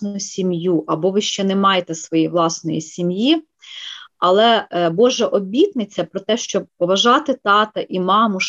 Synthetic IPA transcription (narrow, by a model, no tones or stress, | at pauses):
nʊʊjʊsʲimjuʔɐbɔʋɪʃt͡ʃɛnɛmɑjet̪ɛsʋɔjijʋlˠɑsnɔjḭsʲimji | ɐlˠɛbɔʒɛʔɔbʲit̪nɪt͡sʲːɐpɾɔt̪ɛʃt͡ʃɔpɔʋɐʒɑt̪ɪt̪ɑt̪ɐʔimɑmʊ